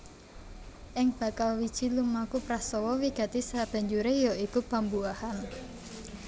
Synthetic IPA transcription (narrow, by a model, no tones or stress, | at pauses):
ʔɪŋb̥a̤kalwid̥ʒ̥i̤lumakupɾasɔwɔwiɡ̥a̤t̪isab̥a̤ɲd͡ʒuɾejɔikupambuahan